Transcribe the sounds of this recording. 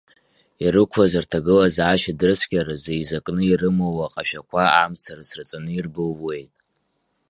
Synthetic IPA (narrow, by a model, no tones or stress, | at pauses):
iɾɨkʷʰazartʰaɡɨlazaʃadɨrsʰkʲʼaɾazejzakʼnɨirɨmowaqʼaʃᶣakʷʰaamt͡sʰarasrɨt͡sʼanɨirbɨlːe̞jtʼ